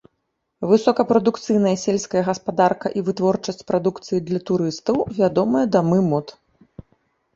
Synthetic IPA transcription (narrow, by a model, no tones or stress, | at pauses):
vɨsɔkɐpɾɐd̪ukt̪sɨjn̪ɐjɐsʲelʲsʲkɐjɐɣɐspad̪arkɐʔivɨt̪vɔrt͡ʂɐsʲt͡sʲpɾad̪ukt̪sɨjid̪lʲɐt̪uɾɨst̪ɐwvʲad̪ɔmɐjɐd̪amɨmɔt̪